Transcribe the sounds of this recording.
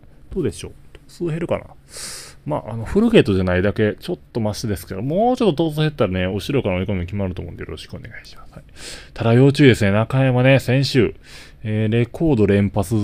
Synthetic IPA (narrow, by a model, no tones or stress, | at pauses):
d̪̥o̞ːd̪e̞ɕo̞̰ːt̪ʰo̥ːt͡sɨːɦe̞ɾɯ̟ka̰na̰ | ma̰ːʔano̞ɸɯ̟ɾɯ̟ɡe̞t̪ːo̞ʑanaid̪ake̞t͡ɕo̞t̪ːomaɕid̪e̞sɨ̥ke̞d̪omoːt͡ɕo̞t̪ːot̪̬o̞ːt͡sɨːhe̞t̪ːaɾane̞oɕiɾoikaɾaoikomʲikʲimaɾɯt̪o̞ːmõ̰nd̪ejoɾo̞ɕi̥kɯo̞̰ne̞ɡai̥ɕi̥mḁshait̪ʰaɾajo̞ːt͡ɕɨːd̪e̞sɨne̞nakajamane̞sẽ̞ɰ̃ɕɨː | eːɾe̞kʰo̞ːd̪o̞ɾẽ̞mpat͡sɨ